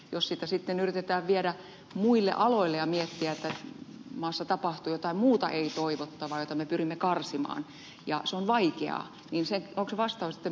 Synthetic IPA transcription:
jossit̪æsit̪ːenyrit̪et̪æːʋʋieɾæ | muilːḛʔɑloilːejɑmiet̪ːiæet̪ːæmɑːsːɑt̪ɑpɑht̪uːjot̪ɑimmuːt̪ɑ̰ʔeit̪oiʋot̪ːɑʋɑjot̪ːɑmepyrimːekɑrsimɑ̰ːn | jɑseonʋɑikḛɑ̰ | niːnseŋoŋkseʋɑst̪ɑːʋsi̥t̪ːe

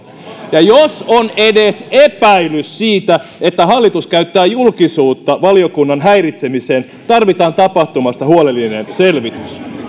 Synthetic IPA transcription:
jɑjosonedesepæilyssiːt̪æet̪ːæɦɑlːit̪uskæyt̪ːæːjulkisuːt̪ːɑʋɑliokunːɑnɦæirit̪semiseːn | t̪ɑrʋit̪ɑːnt̪ɑpɑht̪umɑst̪ɑhuolelːinenselʋit̪ys

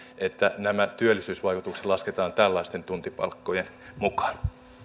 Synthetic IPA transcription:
ʔet̪ːænæmæt̪yølːˑisyːsʋɑikut̪ukse̥t̪lɑsket̪ɑːnt̪ælːɑist̪ent̪unt̪ipɑ̰lkːojen | mukɑ̥n

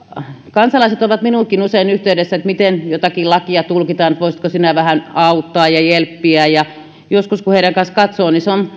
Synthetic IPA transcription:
kɑnsɑlɑiset̪oʋɑt̪minuːˑkinuseinyht̪eydesːæet̪mit̪enjot̪ɑkilɑkiɑt̪ulkit̪ɑːnet̪ʋoˑisit̪kosinæʋæhænɑut̪ːɑːjjɑjelpːiæjɑ | joskuskuheiɾæŋkɑnskɑt̪soːniseon

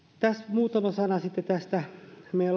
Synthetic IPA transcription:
t̪æsmuːt̪ɑmɑsɑnɑsit̪ːet̪æst̪æmel

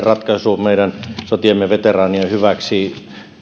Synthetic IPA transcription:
rɑt̪kɑsuːmeiɾænsot̪iɑmːeʋet̪erɑːniohyʋæksiː

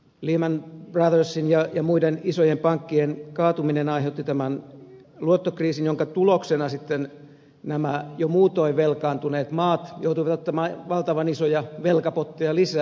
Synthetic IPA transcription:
liːmænb̥rɑðørsinjɑjɑmuidenisojempɑŋkːienkɑːt̪uminenɑiɦeut̪ːit̪æmænluot̪ːokriːsinjoŋkɑt̪uloksenɑsit̪ːen | næmæjomuːt̪oiʋelkɑːnt̪uneːt̪mɑːt̪jout̪uiʋɑt̪ot̪ːɑmɑːʋɑlt̪ɑʋɑnisojɑʋelkɑpot̪ːijɑlisæː

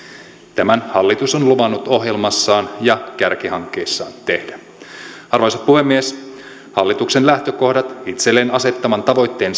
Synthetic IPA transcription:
t̪æmænhɑlːit̪usonluʋɑnːut̪o̞ɦje̞lmɑsːɑːnjɑkærk̟ihɑŋkːe̞jsːɑːnt̪e̞hd̥æ | ɑrʋɑjsɑt̪puhe̞mːies | hɑlːit̪uksenlæht̪ø̞ko̞hdɑt̪it̪selːeːnɑse̞t̪ːɑmɑnt̪ɑʋo̞jt̪ːe̞ːn

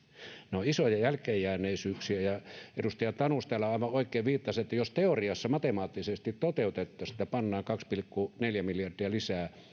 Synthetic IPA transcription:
noisojɑjælkˑejːˑæːnˑeˑisyːksiæjɑedust̪ɑjɑt̪ɑnust̪ɑlːɑɑˑiʋɑʔoˑikːˑeˑːʋʋiːt̪ːɑset̪ːæjost̪eoriɑsːɑmɑt̪emɑːt̪ːisest̪it̪t̪ot̪eˑut̪et̪ːɑːsi̥t̪ːæpɑnːɑːŋkɑkspilkːuneljæmiljɑrd̥iɑlisæː

